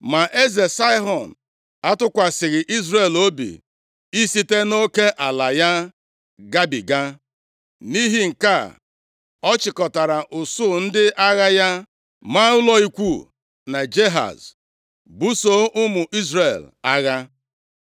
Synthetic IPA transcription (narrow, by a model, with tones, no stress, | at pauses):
ma˨ʔe˦ze˨sa˦ɦɔ˨n˨ | a˦tʊ˦kʷa˨sɪ˨ɣɪ˨ʔi˦zɾe˨lo˦bḭ˨ | i˦si˦te˦no˦ke˦ʔa˨la˨ja˦ | ɡa˦bi˨ɡa˦ | ni˦ɦi˦ŋ̩˨ka˦˨ | ɔ˦t͡ʃɪ˨kɔ˨ta˨ɾa˨ʔʊ˨sʊ˦˨n̩˦dɪ˦ʔa˦ɣa˦ja˦ | ma˦ʊ˦lɔ˦i˦kʷu˦˨ | na˨d͡ʒe˦ɦa̰˨z | bu˦so˦ʔʊ˦mʊ˨ʔi˦zɾe˨la˦ɣa˦